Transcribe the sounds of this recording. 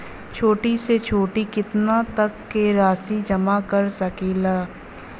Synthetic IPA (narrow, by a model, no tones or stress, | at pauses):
t͡ʃʰoːʈiset͡ʃʰoːʈikɪt̪nat̪ɐkːeɾaːsid͡ʒɐmakɐɾsɐkeːlaː